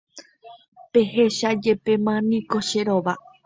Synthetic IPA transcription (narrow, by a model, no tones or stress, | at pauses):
pe̞he̞ʃad͡ʒe̞pe̞mãnĩko̞ʃe̞ɾoʋa